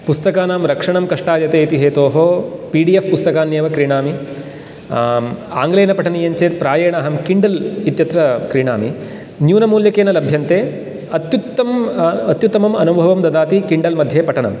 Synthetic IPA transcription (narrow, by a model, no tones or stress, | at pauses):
pust̪ɐkaːnaːmɾɐkʂɐɳɐmkɐʂʈaːjɐt̪eːt̪iɦeːt̪oːɦoːpiːɖiːefpust̪ɐkaːnjeːʋɐkɾiɳaːmi | a̰ːŋɡleːnɐpɐʈʰɐnijɐɲt͡ʃeːt̪̚pɾaːjeːɳaːɦɐmkiɳɖɐlit̪jɐt̪ɾɐkɾiɳa̰ːmḭ | njuːnɐmuːljɐkeːnɐlɐbʱjɐnt̪eː | ɐt̪jut̪ːɐmɐt̪jut̪ːɐmɐmɐnubʱɐʋɐmd̪ɐd̪aːt̪ikiɳɖɐlmɐd̪ʱjeːpɐʈʰɐɳɐ̰m